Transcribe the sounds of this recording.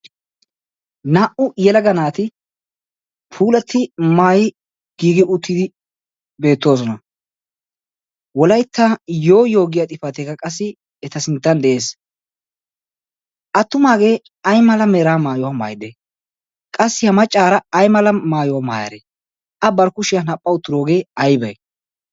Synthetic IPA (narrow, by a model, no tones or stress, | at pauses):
naːʔʊjɛlɐɡɐnaːt̪ɪ | pʰuːlɐt̪ʰːɪmaːjɪ | ɡ̥iːɡɪʔʊt̪ʰːɪd̪ɪ | be̞ːt̪ːo̞ːsɔnɐ | wɔlɐjt̪ʰːajo̞ːjo̞ːɡɪjat̪ʼɪfɐt̪ekɐkʼɐs̬ːɪː | t̪ɐsɪnt̪ːɐnd̪ɛʔe̞ːs | ʔɐt̪ːʊmaːɡe̞ː | ɐjmɐlɐmeːɾaːmaːjɔwɐma̰ːjd̪ɛ | kʼɐsːɪhɐmɐt͡ʃʼːaːɾɐːjmɐlɐmaːjɔwɐma̰ːjɐ̰ɾḛ | ʔɐbɐɾkʊʃɪjɐnɐpʼːɐʊt̪ːɪɾo̞ːɡe̞ːɐjbɐj